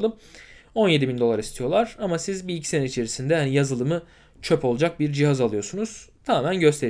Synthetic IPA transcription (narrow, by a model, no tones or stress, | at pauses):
lˠɯmo̞nje̞d̪ibind̪o̞lˠaɾist̪ʰijo̞lˠaɾ̥amasizbilʲicʰi̥se̞nɛit͡ʃʰe̞ɾisind̪ɛhanijazɯlˠɯmɯ | t͡ʃʰø̞po̞lˠd͡ʒak̚biɾd͡ʒiɦazalˠɯjo̞ɾsunuz̥t̪ʰamaːmænɟø̞st̪ʰeɾ